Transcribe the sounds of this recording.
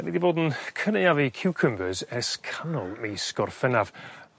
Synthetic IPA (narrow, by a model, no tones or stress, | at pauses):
nidiboːdn̩kʰəneavikʰɪwkʰəmbəzɛskʰanɔlˠmejskɔrfɛnav̥